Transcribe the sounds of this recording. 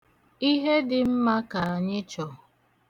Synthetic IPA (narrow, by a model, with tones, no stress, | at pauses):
i˦ɦe˦dɪ˨m̩˦ma˦ka˨a˨ɲɪ˦t͡ʃɔ˨